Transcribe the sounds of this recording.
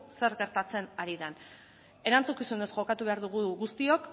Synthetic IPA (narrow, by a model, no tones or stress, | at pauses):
se̞ɾɣe̞ɾt̪at͡se̞naɾiðan | e̞ɾant͡sukisune̞sʝo̞kat̪uβe̞aɾðuɣ̞uɣust̪io̞k